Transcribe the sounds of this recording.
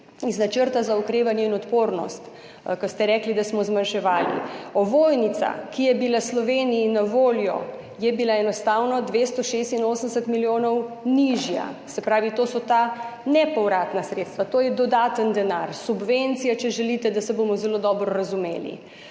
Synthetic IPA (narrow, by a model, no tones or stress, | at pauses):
iznat͡ʃəɾt̪azaukɾeːʋanjɛinɔt̪poːɾnɔ̰st̪ | kɔst̪ɛɾɛklid̪asmɔzmanʃɛʋaːlḭɔʋojnit̪sa̰kijɛbilaslɔʋeːnijinaʋoːljɔ̰ | jɛbilaɛnɔst̪aːwnɔd̪ʋest̪ɔʃest̪inoːsənd̪ɛsɛt̪miljoːnɔwniʒja̰sɛpɾaːʋit̪oːsɔt̪anɛpɔwɾaːt̪nasɾet̪st̪ʋat̪oːjɛd̪ɔd̪aːt̪ənd̪ɛnaɾsubʋent̪sijat͡ʃɛʒɛlit̪ɛd̪asɛbomɔzɛlod̪ɔːbɾɔɾazumḛːlḭ